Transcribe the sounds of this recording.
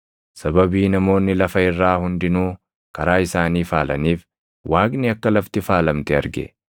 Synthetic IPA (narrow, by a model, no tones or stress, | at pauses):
sɐbɐbiːnɐmo̞ːnːɪlɐfɐɪrːaːhʊnd̪ɪnuː | kɐɾaːɪsaːniːfaːlɐniːf | wʔaːɡnɪɐkːɐlɐft̪ɪfaːlɐmt̪ɛɐ̰ɾɡɛ̰